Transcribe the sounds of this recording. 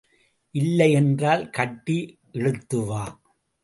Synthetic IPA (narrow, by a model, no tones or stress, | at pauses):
ʔɪlːɐɪɛndraːlkɐʈːi | ʔɛɻɯt̪ːɯʋaː